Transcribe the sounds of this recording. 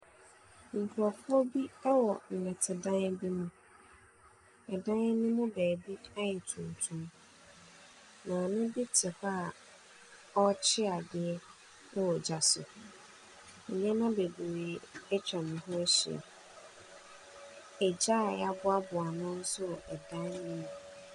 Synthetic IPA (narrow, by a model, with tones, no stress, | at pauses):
ŋ̩˨kʰʊ˨ɾɔ˨fʊ˦ɔ˦bi˦a˦wɔ˨n̩˨nɛ̃˨tʰɪ˨dã˦n˦bi˦mũ˨ | ɛ˨dã˦n˦nɪ̃˦mʊ̃˦bɛː˨bi˦a˦jɛ˨tʰũ˨n˨tʰũ˦m | nã˨nʊ̃˦bi˦tʰɪ˨ɸa˦˨ | ɔ˦t͡ɕʰɪ˦a˨dɪ˨ɛ˦ | nã˦wɔ˨d͡ʑa˨sʊ̰˨ | ɲ˦ɛ̃˦nã˦be˨bu˨ɾi˨ɛ˦t͡ɕʰᶣɾɛ˨mʊ̃˨ɦʊ̃˦ɛ˦ɕɪ̰˨ɛ̰˨ | ɛ˨d͡ʑa˦˨ja˦bʊ˦a˦bʊ˨a˨nʊ̃˦n̩˦sʊ˦˨ɛ˨dã˦n˦nɪ̃˦mʊ̃˨